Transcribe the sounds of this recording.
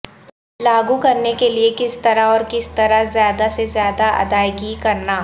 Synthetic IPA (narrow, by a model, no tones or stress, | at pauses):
laːɡukɐɾnekeliekɪst̪ɐɾaɔːɾkɪst̪ɐɾazjaːd̪asezjaːd̪aʔɐ̰d̪aːjɡikɐɾnaː